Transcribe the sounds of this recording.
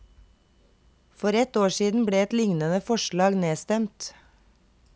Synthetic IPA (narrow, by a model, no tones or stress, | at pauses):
fɔɾɛt̪oːʃiːd̪n̩bɽeːɛt̪lɪŋnənəfɔʃɭɑːɡneːst̪ɛmt̪